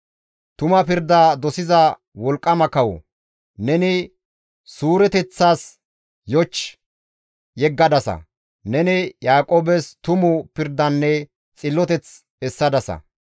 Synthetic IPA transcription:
t̪ʊmɐpɪɾd̪aːd̪ɔsɪzɐ | wɔlkʼːɐmɐkɐwɔ̰ | nɛnɪ | suːɾɛt̪ɛt͡sːaːs | jɔt͡ʃː | jɛɡːɐd̪ɐsɐ̰ | nɛnɪjaːkʼoːbɛst̪ʊmʊpɪɾd̪ɐnːɛ | t͡sʼɪlːɔt̪ɛt͡s | ɛsːɐd̪ɐsɐ̰

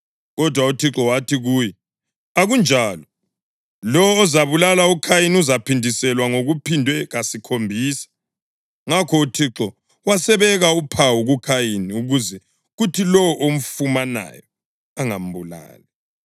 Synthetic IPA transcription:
ɣɔdʱwautʰiǁɔwatʰiɣuːjɛ | aɣund͡ʒʱaːlɔ | lɔwɔːzaβulalaukʰajinuzapʰindʱisɛlwaŋoɣupʰindʱwɛɣasikʰombʱiːsḁ | ŋakʰɔutʰiǁɔ | wasɛβɛɣaupʰawuɣukʰajiniuɣuzɛ | ɣutʰilɔwɔʔom̩fumana̰jɔ | aŋam̩bula̰ːlɛ

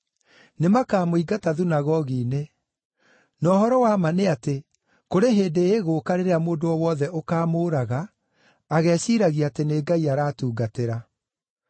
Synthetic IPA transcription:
nemakaːmoiɡataðunaɣɔɣiːne | nɔːhɔɾɔwaːmaneate | koɾeɦeːdeeɣokaɾeɾeamoːndoɔwɔðɛʔokaːmoːɾaɣaː | ɣɛːsiɾaɣiateneːɡaiaɾaːtuːɡateɾa

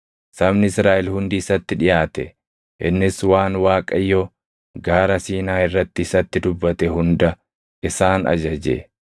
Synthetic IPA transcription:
sɐmnɪɪsɾaːʔɛlhʊnd̪iːsɐt̪ːɪᶑɪjaːt̪ɛ̰ | ʔɪnːɪswaːnwaːkʼɐjːo | ɡaːɾɐsiːnaːɪrːɐt̪ːɪɪsɐt̪ːɪd̪ʊbːɐt̪ɛɦʊnd̪ɐ | ʔɪsaːnɐ̰d͡ʒɐd͡ʒḛː

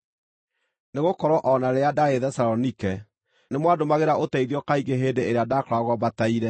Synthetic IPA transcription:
neɣokɔɾɔʔɔnaɾeadaeðɛsaɾɔnikɛ | nemwadomaɣeɾaʔotɛiðɔkaiɣeɦendeeɾeadakɔɾaɣwɔbataiɾɛ

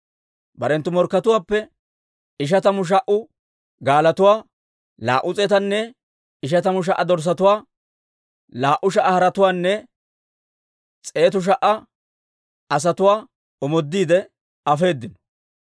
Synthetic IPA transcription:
bɐɾɛnt̪ːʊmɔɾkːɐt̪ʊwaːpːɛ | ɪʃ̬ɐt̪ɐmʊʃ̬ɐʔʊ | ɡaːlɐt̪ʊwaː | la̰ːʔʊt͡sʼɛt̪ɐnːɛ | ɪʃɐt̪ɐmʊʃ̬ɐʔːɐd̪ɔɾs̬ɐt̪ʊwaː | laːʔʊʃ̬ɐʔɐhɐɾɐt̪ʊwaːnːɛ | t͡sʼe̞ːt̪ʊʃ̬ɐʔɐ | ɐs̬ɐt̪ʊwaː | ɔmɔd̪ːiːd̪ɛ | ɐfe̞ːd̪ːɪnɔ̥

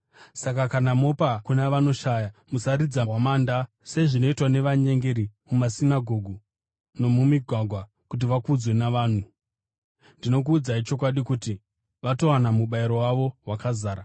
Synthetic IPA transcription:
sakakanamo̞pakunaʋano̞ʃajamusaɾid͡zawamaːnda | se̞ʐino̞itwane̞ʋaɲe̞ŋɡe̞ɾimumasinaɡʱo̞ɡʱu | no̞mumiɡʱwaɡʱwa | kut̬iʋakud͡zwe̞naʋaːn̤u | ndino̞k̬uːd͡zait͡ʃo̞k̬waɗikuti | ʋato̞wanamuɓaiɾo̞waʋo̞ɦwakazaːɾa

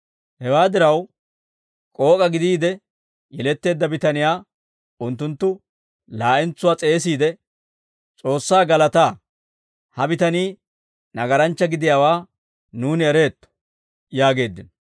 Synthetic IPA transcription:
hɛwaːd̪ɪɾɐw | kʼo̞ːkʼɐɡɪd̪iːd̪ɛ | jɛlɛt̪ːe̞ːd̪ːɐbɪt̪ɐnɪjaː | ʊnt̪ːʊnt̪ːʊ | laːʔɪnt͡sːʊwaːt͡sʼe̞ːs̬iːd̪ɛ | t͡sʼo̞ːsːaːɡɐlɐt̪aː | hɐbɪt̪ɐniː | nɐɡɐɾɐnt͡ʃːɐɡɪd̪ɪjaːwaː | nuːnɪɛɾe̞ːt̪ːɔ̥ | jaːɡe̞ːd̪ːɪn

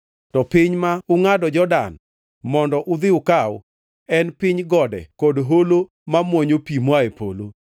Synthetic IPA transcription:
tɔpɪɲmaʊŋadɔd͡ʒɔdan | mɔndɔʔʊd̪ɪʊkaw | ɛnpɪɲɡɔdɛ̰kodɦolo | mamwɔɲopimwaepo̰lo

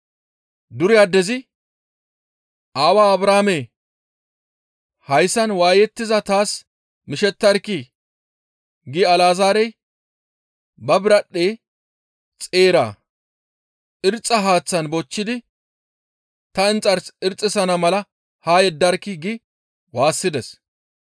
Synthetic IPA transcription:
d̪ʊɾɪjad̪ɛzɪ | ʔaːwaːɐbɾaːme | hɐjsɐnwaːjɛt̪ːɪzɐt̪aːs | mɪʃɛt̪ːɐɾkːɪ | ɡɪɐlaːzaːɾɛj | bɐbɪɾɐɗːeː | t͡sʼeːɾa̰ː | ʔɪɾt͡sʼːɐɦaːt͡sːɐnbɔt͡ʃːɪd̪ɪ | t̪ɐɪnt͡sʼɐɾsɪɾt͡sʼːɪsɐnɐmɐlɐ | haːjɛd̪ːɐɾkːɪɡɪ | waːsːɪd̪ɛs

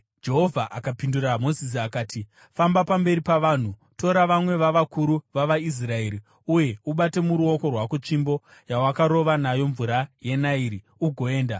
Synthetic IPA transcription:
d͡ʒe̞ɦo̞vʱaʔakapinduɾamo̞zis̬iakaːti | fambapambe̞ɾipaʋaːn̤uto̞ɾaʋamwe̞ʋaʋakuɾuʋaʋais̬rae̞ɾi | uje̞uɓate̞muɾuo̞ko̞rwakut͡ʃimbo̞ | jawakaɾo̞ʋanajo̞ɱvuɾaje̞naiɾi | uɡʱo̞e̞ːnda

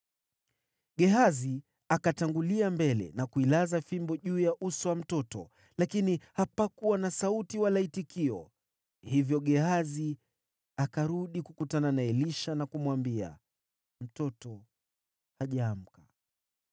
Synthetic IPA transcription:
ɠɛɦazi | akataŋɡuliambɛlɛ̰nakuilazafimbɔʄuːjaʔusɔwam̩tɔtɔ̰ | lakinihapakuwanasautiwalaitikiɔ̰ | hivjɔɠɛhazi | akaɾuɗikukutananaɛliʃanakumwambia̰ | m̩tɔtɔ | haʄaːm̩ka

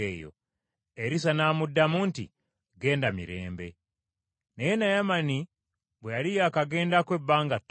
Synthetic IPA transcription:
eːjo̰ | eɾisanaːmudːamuːntḭ | ɡe̞ːndamḭɾe̞̰ːmbe̞̰ | nejenajamani | βwejalijaːkaɡe̞ːndakwe̞bːaːŋɡat

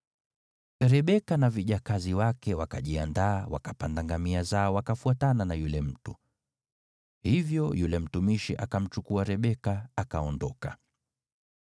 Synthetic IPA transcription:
ɾɛɓɛkanaviʄakaziwakɛwakaʄiandaːwa̰kapandaŋɡamiazaɔwakafuatananajulɛm̩tu | hivjɔjulɛm̩tumiʃiʔakam̩t͡ʃukuaɾɛɓɛkaakaɔndɔka

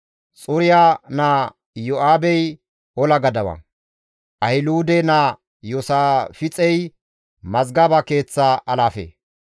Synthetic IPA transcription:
t͡sʼʊɾɪjaːnaː | jɔʔaːbɛj | ɔlɐɡɐd̪ɐwɐ̰ | ʔɐhɪluːd̪ɛna | jɔsaːfɪt͡sʼɛj | mɐzɡabake̞ːt͡sːaʔɐlaːfḛː

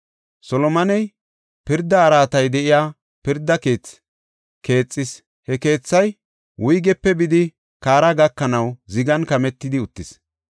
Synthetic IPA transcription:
sɔlɔmɐnɛj | pɪɾd̪ːɐːɾaːt̪ɐjd̪ɛʔɪjaː | pɪɾd̪ːɐke̞ːt͡s | ke̞ːt͡sʼːɪs | hɛke̞ːt͡sːɐj | wʔʊjɡɛpːɛbɪd̪ɪ | kaːɾɐɡɐkːɐnɐwzɪɡɐnkɐmɛt̪ːɪd̪ɪʊt̪ːɪs

